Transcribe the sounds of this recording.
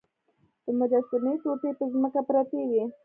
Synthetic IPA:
d̪̥əmʊd͡ʒast̪ɪnet̪opepəzməkapɾat̪ewi

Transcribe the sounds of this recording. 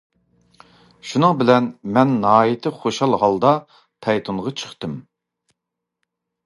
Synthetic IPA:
ʃunɨŋbɪlɛnmɛnːɑɑːjit̪ʰɪχoʃɑlˠhɑlˠd̪ɑ | pʰɛjt̪ʰunʁɑt͡ʃʰə̥χt̪ɨm

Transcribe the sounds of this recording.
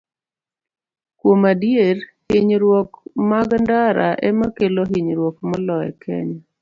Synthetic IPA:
kwomadjeɾhɪɲɾwɔkmaɡndaɾaʔɛmakeloɦiɲɾwɔkmɔlɔɛ̰kʰɛ̰ɲa

